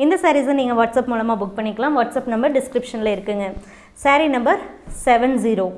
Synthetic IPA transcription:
ɪnd̪ɐsaːɾizɯnniːŋɡɐʋɐʈsɐpmuːlɐmaːbʊk̚ːpɐɳːɪkːɐɭãːmʋɐʈsɐpnɐmbɐɾɖɪskɾɪpʂɐnɪlɐɪɾɯkːɯŋɡɐ | saːɾinɐmbɐɾsɛʋɛnsiːɾoː

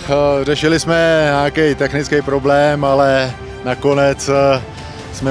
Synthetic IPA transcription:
r̝ɛʃɪlɪsmɛɲaːkɛjt̪ɛxnɪt͡skɛjpɾo̞blɛːmalɛ | nako̞nɛt͡s | smɛ

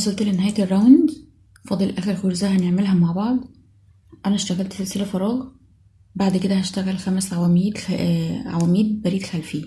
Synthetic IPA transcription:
ɑsˤɑlt̪lenːɦæjæt̪rˤːæwnd̪ | fɑd̪ˤelʔæːxeɾxoɾzæhæneʕmelɦæmaʕbɑʕd̪ˤ | ʔænæʃt̪æɣælt̪selselæfɑɾˤɑːɣ | baʕd̪ked̪æhæʃt̪æɣælxæmæsʕawæːmiːd̪æʕa̰wæːmiːd̪̚bæɾiːd̪xælfiː

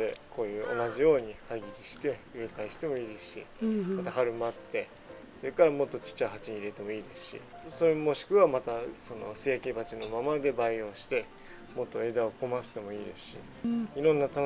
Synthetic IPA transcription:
ekʰo̞ːjɯ̟ːʔo̞̰naʑijo̞ːɲ̟ihaiɡʲikʲiɕi̥t̪e̞ | ɯɾɯkaiɕi̥t̪e̞mo̞iːd̪e̞sɕḭmat̪ahaɾɯ̟mat̪ːe̞ | so̞ɾe̞kaɾamo̞t̪ːo̞t͡ɕi̥t͡ɕaɦat͡ɕiɲ̟iiɾe̞t̪e̞mo̞iːd̪e̞sɨ̥ɕḭ | so̞ɾemo̞ɕi̥kɯ̟βamat̪aso̞no̞̰sejakʲibat͡ɕino̞mamad̪e̞baio̞ːɕi̥t̪e̞ | mo̞t̪ːo̞e̞d̪ao̞ko̞masɨ̥t̪e̞mo̞iːd̪e̞sɨ̥ɕḭ | iɾõ̞nːat̪a

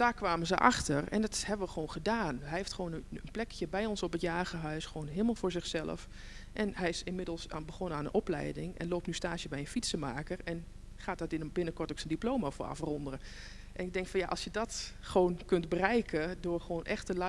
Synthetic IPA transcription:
d̥aːɹkʋaːməzəʔa̰xtərɛ̰ndɔthɛbənʋəxəʋownχədaːnɦɛjɦeftχəʋoːnəənplɛkjəbɛjɔnsɔpətjaːɣəɦœsxəʋoːwnɦɪəlˠmalˠvʊːɹzɪxsɛlˠə̰f | ʔɛnɦɛjɪsɪnmɪdəlˠsabəχonəaːnənʔɔplɛ̰jdɪŋɛ̰nloːp̚tnystaːsjəbɛjə̃nfitsəmaːkərɛn | χaːt̚dɔtɪnbɪnəkɔɹtoksəndiplowmafo̰a̰frɔndərə | ʔɛnɪɡ̚dɛŋkfɑnjaʔɑlˠsjədɔt | χəʋoːnkɵndbərɛjkʰədʊːrxəʋoːnʔɛxtəl

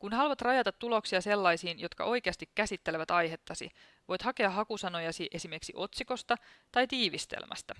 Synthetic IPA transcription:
kunhɑluʋɑt̪rɑjɑt̪ɑt̪ːulo̞ksiɑse̞lːɑjsiːnjo̞t̪kɑ̰ʔo̞jke̞ɑst̪ikkːæsit̪ːe̞leʋæt̪ɑjɦe̞t̪ːɑsḭ | ʋo̞jt̪hɑke̞ɑɦɑkusɑno̞jɑsiʔesime̞rksiʔo̞t̪siko̞st̪ɑt̪ɑjt̪iːʋist̪ḛlmæ̰st̪ɑ

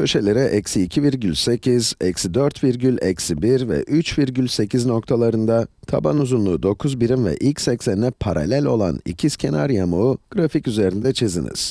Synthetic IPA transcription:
ø̞ʃe̞lʲe̞ɾɛʔɛcsiːcʰiviɾɟylʲse̞cʰizɛcsid̪øɾt̪viɾɟylʲɛcsibiɾvɛ̰ʔyt͡ʃviɾɟylʲse̞cʰizno̞k̚t̪ʰalˠaɾɯnd̪at̪ʰabanuzunlˠuːd̪o̞kʰuzbiɾimvɛ̰ʔilʲcsɛcsænd̪ɛpʰaɾa̰lʲælʲo̞̰lˠa̰nḭcʰiscʰe̞naɾjamuːɡ̥ɾaficyze̞ɾind̪ɛt͡ʃʰezḭnḭz̥

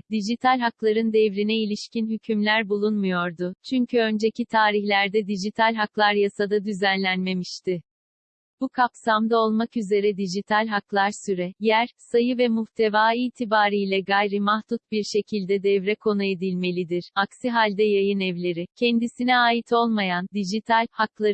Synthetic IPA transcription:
d̪iʒit̪ʰalʲɦaklˠaɾɯnd̪ɛvɾinɛilʲiʃcinɦycʰymlʲæɾbulˠunmujo̞ɾd̪ʊt͡ʃʰyɲcʰyø̞nd͡ʒe̞cʰit̪ʰaːɾiçlʲæɾd̪ɛd̪id͡ʒit̪ʰalʲɦaklˠaɾjasad̪ad̪yzænlʲænme̞miʃt̪ʰɪ | b̥ukʰapsamd̪ao̞lˠmakyze̞ɾɛd̪iʒit̪ʰalʲɦaklˠaɾsyɾɛjæɾsajɯvɛmuht̪ʰe̞vaːiːt̪ʰibaːɾijlʲɛɡajɾɯmahd̪ut̪̚biɾʃe̞cʰilʲd̪ɛd̪ɛvɾɛkʰo̞nue̞d̪ilʲme̞lʲid̪iɾ̥aksiɦalʲd̪ɛjajɯnɛvlʲe̞ɾicʰɛnd̪isinɛaːjit̪ʰo̞lˠmajand̪iʒit̪ʰalʲhaklˠa

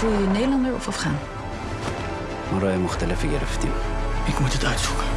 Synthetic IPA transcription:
ulˠjənejdəlɑndəɹɔ̰fɑfχaːn | mɔɾɔjmɔχt̪ələfiːɾəft̪iɪkmutətœɥtsu̥kə

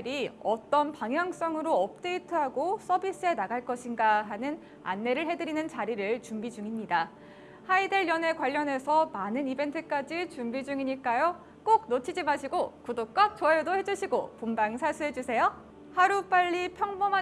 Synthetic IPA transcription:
ɾiʌt͈ʌnpaŋɦjaŋs͈ʌŋɯɾoʌp̚t͈e̞itʰɯɦaɡos͈ʰʌbis͈ɯe̞naɡaɭk͈ʌɕʰinɡaɦanɯn | a̰nːe̞ɾɯɭɦe̞dɯɾinɯnt͡ɕaɾiɾɯɭt͡ɕumbid͡ʑuŋimɲida | haide̞ɭjʌne̞kwaʎːʌne̞sʰʌmanɯnibe̞ntʰɯk͈ad͡ʑit͡ɕumbid͡ʑuŋiɲik͈ajo | k͈ok̚not͡ɕʰid͡ʑimaɕʰiɡokudok͈at͡ɕʌedohe̞d͡ʑuɕʰiɡopombaŋsʰas͈ʰuɦe̞d͡ʑusʰe̞jo | haɾup͈aʎːipʰjʌŋbʌma

